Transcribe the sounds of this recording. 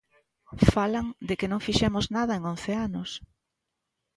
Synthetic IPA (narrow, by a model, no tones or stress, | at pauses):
falaŋd̪ɪkɪnõŋfiʃɛmʊznaðɐeŋõn̟θeanʊs